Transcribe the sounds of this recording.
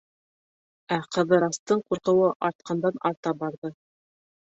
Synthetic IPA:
æqɤ̆ðɤ̆ɾɑst̪ɤɴquɾqɤ̆wɤʔɑɾt̪̚qʰɑnd̪ɑnɑɾt̪ɑbɑɾðɤ

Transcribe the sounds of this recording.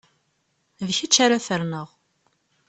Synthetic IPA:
vçit͡ʃːaɾaθəɾnəʁ

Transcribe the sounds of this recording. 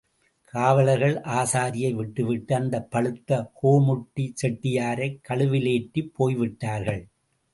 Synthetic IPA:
kʰaːʋɐlɐɪɣɐɭʔaːsaːɾɪjɐɪʋɪʈːɯʋɪʈːɯɐnd̪ɐpːɐɭɯt̪ːɐhoːmʊʈːit͡ʃɛʈːɪjaːɾɐɪkːɐɭɯʋɪleːʈːipʰːoːjʋɪʈːaːɾɣɐɭ

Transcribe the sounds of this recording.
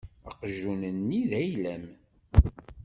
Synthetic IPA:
əqʒunənːiðæjlæm

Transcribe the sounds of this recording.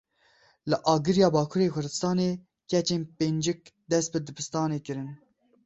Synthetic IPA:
lɨʔɑːɡɨɾjɑːbɑːkʰuːɾeːkʰʊɾd̪ɨ̥st̪ɑːneː | kɛt͡ʃeːnpeːnd͡ʒɨk̚d̪ɛst̪̚bɨd̪ɨbʰɨst̪ɑːneːkɨɾɨn

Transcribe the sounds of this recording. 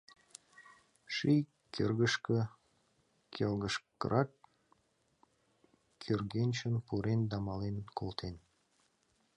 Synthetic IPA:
ʃij | kʰerɣəʃkə | kʲʰelɣəʃkə̰ɾʔɑk | kʰørɡenʲt͡ɕənpuɾend̪ɑmɑlenkʰolt̪ʰen

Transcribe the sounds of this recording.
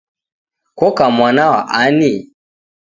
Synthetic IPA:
kɔkamwanawa̰ʔani

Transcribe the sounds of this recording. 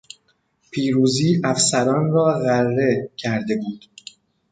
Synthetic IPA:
pʰiːɾuːziːʔæfsæɾɒːnɾɒːɣærːe̞cʰæɾd̪e̞buːd̪̥

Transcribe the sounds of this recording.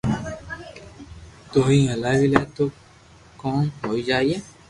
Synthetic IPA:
t̪ʊɦĩːəlaːʋileːt̪oː | kɔ̃ːɦoːiːd͡ʒaːieː

